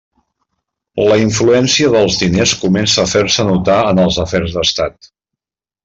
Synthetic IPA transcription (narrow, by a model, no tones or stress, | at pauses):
ləiɱfluɛnsiəðəlˠzðineskumɛnsəːfersənut̪aənəlˠzəfɛrzðəst̪at̪̚